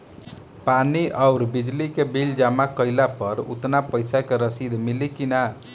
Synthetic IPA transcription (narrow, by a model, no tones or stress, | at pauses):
paniʔaʊɾbid͡ʒlikebild͡ʒamakəɪlapəɾṵt̪napəjsakeɾəsid̪ʱmilikina